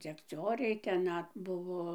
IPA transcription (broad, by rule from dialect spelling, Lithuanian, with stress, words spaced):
d͡zʲɛkˈt͡sʲoːrʲɛɪ tʲɛn ˈnɐt ˈbʊʋoː